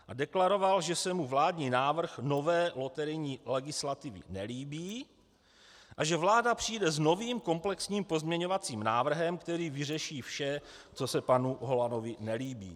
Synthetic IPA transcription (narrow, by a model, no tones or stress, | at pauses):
ʔadɛklaɾo̞valʒɛsɛmuvlaːdɲiːnaːvr̩xno̞vɛːlo̞t̪ɛɾɪjɲiːlɛɡɪslat̪ɪvɪ̰nɛliːbiː | ʔaʒɛvlaːdapr̝̥ijdɛzno̞viːmko̞mplɛksɲiːmpo̞zmɲɛɲo̞vat͡siːmnaːvr̩ɦɛmkt̪ɛɾiːvɪrɛʃiːfʃɛt͡so̞sɛpanuɦo̞lano̞vɪnɛliːbḭː